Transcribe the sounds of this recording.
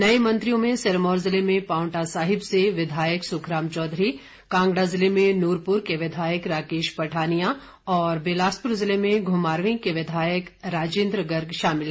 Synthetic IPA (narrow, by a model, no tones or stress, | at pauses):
nɐemɐ̃nt̪ɾijõmẽsɐɾmɔːɾzɪlemẽpaːʊ̃ɳʈasaːɦɪbseʋɪd̪ʱaːjəksʊkʰɾaːmt͡ʃɔːd̪ʱɾi | kãːŋɡɽazɪlemẽnuːɾpʊɾkeʋɪd̪ʱaːjəkɾaːkeːʃpɐʈʰaːnija | ɔːɾbeːlaːspʊɾzɪlemẽɡʱʊmaːɾʋɪ̃keʋɪd̪ʱaːjəkɾaːd͡ʒẽːnd̪ɾəɡɐɾɡʃaːmɪl